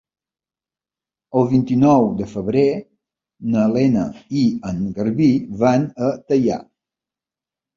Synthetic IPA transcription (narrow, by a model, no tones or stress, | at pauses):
əlˠβint̪inɔwd̪əfəβɾe | nəlenə̰iəŋɡəɾβiβanət̪əja̰